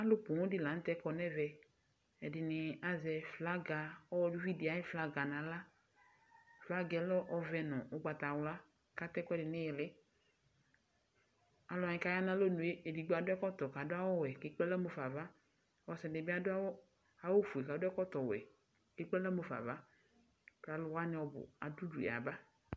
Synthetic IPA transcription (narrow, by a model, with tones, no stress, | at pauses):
a˦lʊ˦po˨ŋɔ̃˦dɪ˦la˨n̩˦t̪ɛ˦kɔ˨nɛ˦vɛ˨ | ɛ˨dɪ˨nɪ˨a˨zɛ˨fla˦ɡa˨ɔ˦wɔ˦du˦vi˦di˨a˨˦jɪ˦fla˦ɡa˨nã˨la˦ | fla˦ɡɛ˨lɔ˦ʔɔ˦vɛ˨nɔ̃˨o˦ɡ͡ba˨t̪a˨wʊ˨la˦ | ka˦t̪ɛ˦kɔ˦ɛ˦dɪ˨nɪ̃˦jɪ˨lɪ˦ | a˨lɔ˨a˨ɲɪ˨ka˨˦ja˦nã˦lo˦nũ˨e˦e˨di˨ɡ͡ba˨dʊ˦ɛ˦kɔ˦t̪ɔ˨ka˨dʊ˦a˦wɔ˦wɛ˨kɪ˦k͡pɛ˦la˦mo˨fa˨va˦ | ɔ˨sɛ˨dɪ˨bɪ˦a˦dʊ˦a˦ | a˨wo˦fu˨e˨ka˨dʊ˦ɛ˦kɔ˦t̪ɔ˨wɛ̰˨ | kɪ˦k͡pɛ˦la˦mo˨fa̰˨va˦ | ka˨lʊ˨wa˦nɪ˨ɔ˨bʊ̰˨a̰˨du˦du˨ɛ̰˨a̰˨ba˦